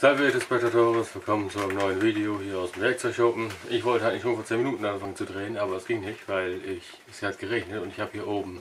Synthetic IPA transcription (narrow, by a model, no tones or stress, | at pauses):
z̥alvɛdɛspɛk̚tatoːʁəsfiːɐkʰɔmənt͡suaɪnəmnɔʏənviːdeohiːɐaʊsdemvɛɐk̚t͡sɔɪçʃɔpm̩ʔɪçv̥ɔltəhaɪnɪçʃoːnfoɐt͡seːnminuːtn̩ʔanfaŋənt͡sudʁeːənʔaːbɐdasɡ̥ɪŋnɪçtv̥aɪlɪç | sihat̚ɡ̥əʁɛçnətʊntɪçhaːbəhiːɐʔoːbm̩